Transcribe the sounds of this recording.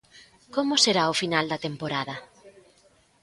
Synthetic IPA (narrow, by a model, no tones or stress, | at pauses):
komʊseɾaʊfinald̪ɐt̪empoɾaðɐ